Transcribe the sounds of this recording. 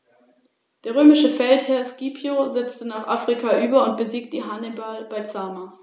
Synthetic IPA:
d̥eːɐʁøːmɪʃəfɛlthɛɐskiːpʰjozɛt͡stənaːχʔafʁ̥ikʰaʔyːbɐʊnt̚b̥əziːk̚t̚d̥iːɦanebalb̥aɪt͡saːma

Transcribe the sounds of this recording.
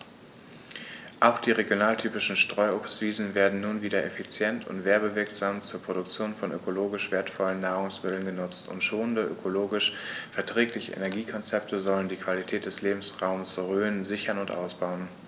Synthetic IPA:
ʔaʊxd̥iːʁeɡjonaːltʰyːpɪʃn̩ʃtʁ̥ɔʏopsv̥iːzn̩veːɐdn̩nuːnviːdɐʔefit͡sjɛntʰʊ̰ntv̥eːɐbəvɪɐkz̥aːmt͡suːɐpʁ̥oɾdʊk̚t͡sjoːnfɔnʔø̰kʰoloːɡɪʃv̥eːɐtfɔlənːaːʁʊŋsmɪtl̩ənɡənʊt͡stʊ̰ntʃoːnəndəʔø̰kʰoloːɡɪʃfɛɐtʁ̥ɛːklɪçə̰ʔḛnɛɐɡiːkʰɔnt͡sɛp̚tʰəzɔləndiːkv̥alitʰɛːt̚d̥ɛsleːbm̩sʁaʊməsʁøːənzɪçɐnʊntʔa̰ʊsb̥aʊən

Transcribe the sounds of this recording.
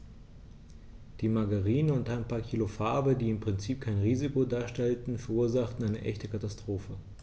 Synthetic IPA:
d̥iːmaɡaʁiːnənʊntaɪnpʰaːɐkʰiːlofaɐbədiːɪmpʁ̥ɪnt͡siːp̚kʰaɪnʁiːzɪkodaːɐʃtɛltn̩fɛɐʔuːɐzaχtn̩aɪnəʔɛ̰çtəkʰatastʁ̥oːfə

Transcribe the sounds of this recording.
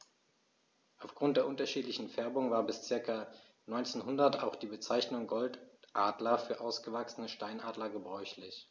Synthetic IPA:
ʔaʊfɡ̥ʁʊnt̚d̥eːɐʔʊntɐʃiːtlɪçn̩fɛɐbʊŋvaːɐbɪst͡sɪɐkɐ | nɔʏnt͡senɦʊndɐtaʊxd̥iːbət͡saɪçnʊŋɡɔltʔaːdlɐfyːɐʔaʊsɡ̥əvaksənəʃtaɪnʔaːdlɐɡəbʁɔʏçlɪç

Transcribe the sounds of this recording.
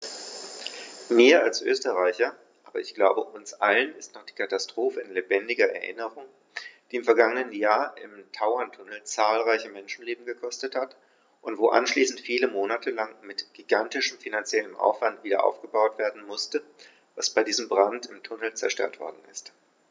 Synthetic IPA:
miːɐalsʔø̰ːstəʁaɪçɐ | ʔaːbɐɪçɡ̥laʊbəʔʊnsʔalənɪstnɔχd̥iːkʰatastʁ̥oːfəɪnlebɛndɪɡɐɛ̰ɐʔɪ̰nəʁʊŋ | d̥iːɪmfɛɐɡaŋənənjaːɐʔɪ̰mtʰaʊɐntʰʊnl̩t͡saːlʁaɪçəmɛnʃn̩leːbm̩ɡəkʰɔstəthat | ʔʊntv̥oːʔa̰nʃliːsn̩tfiːləmoːnatʰəlaŋmɪtɡ̥iɡantɪʃəmfinant͡sjɛləmʔa̰ʊfv̥antv̥iːdɐ̰ʔa̰ʊfɡ̥əbaʊtv̥eːɐdn̩mʊstə | vasb̥aɪdiːzəmbʁantɪmtʰʊnl̩t͡sɛɐʃtœ̰ɐtv̥ɔ̰ɐdn̩ɪst

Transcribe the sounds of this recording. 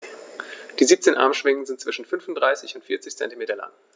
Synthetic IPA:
d̥iːziːp̚t͡seːnʔa̰ɐmʃv̥ɪŋən̩zɪnt̚t͡sv̥ɪʃn̩fʏnfʊntdʁaɪsɪçʊntfɪɐt͡sɪçt͡sɛ̰ntimeːtɐla̰ŋ

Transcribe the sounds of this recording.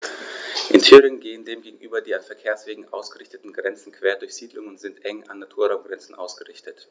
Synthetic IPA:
ʔɪntʰyːʁɪŋənɡeːəndeːmɡeːɡŋ̩ʔyːbɐdiːanfɛɐkʰeːɐsv̥eːɡŋ̩ʔa̰ʊsɡ̥əʁɪçtətn̩ɡʁɛnt͡sn̩kv̥eːɐdʊɐçz̥iːdlʊŋʊntz̥ɪntʔɛŋa̰nːatʰuːɐʁaʊmɡʁɛnt͡sn̩ʔa̰ʊsɡ̥əʁɪçtət

